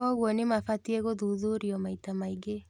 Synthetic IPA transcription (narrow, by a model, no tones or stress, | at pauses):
ɔɣwɔnɪmafatieɣoðuðuɾiɔmaitamaiɡe